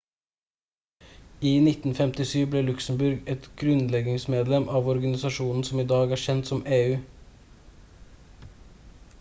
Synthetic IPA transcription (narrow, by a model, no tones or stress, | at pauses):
iːnɪt̪n̩fɛmt̪ɪsyːʋbleːlʉksm̩bʉɾɡɛt̪ɡ̥ɾʉnlɛɡɪŋsmeːd̪lɛmʔɑːʋɔɾɡɑnɪsɑʃuːnn̩sɔmiːd̪ɑːɡæːʃɛnt̪sɔmeːʉː